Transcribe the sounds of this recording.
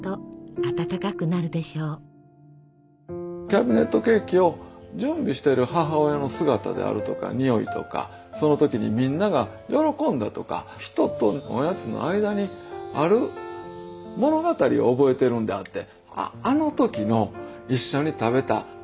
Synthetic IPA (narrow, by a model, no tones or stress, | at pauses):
t̪oat̪at̪akakɯ̟naɾɯ̟d̪e̞ɕoː | kʲabʲine̞t̪ːo̞ke̞ːkʲio̞d͡ʑɨ̃mbʲiɕi̥t̪e̞ɾɯ̟haɦao̞jano̞sɨɡat̪a̰d̪ḛa̰ɾɯ̟t̪o̞ka̰ɲ̟ijo̞ḭt̪o̞̰ka̰ | so̞no̞t̪o̞kʲiɲ̟imʲĩnːaɡa | jʔo̞ɾo̞kõ̞nd̪at̪o̞ka̰ | çi̥t̪o̞t̪o̞no̰jat͡sɨno̰ʔaid̪aɲ̟iaɾɯ̟ | mo̞no̞ɡat̪aɾʲḭo̞ːbo̞e̞t̪e̞ɾɯ̟̃nd̪e̞at̪ːe̞ | a̰ano̞t̪o̞kʲino̞iɕːo̞ɲ̟it̪abe̞t̪a̰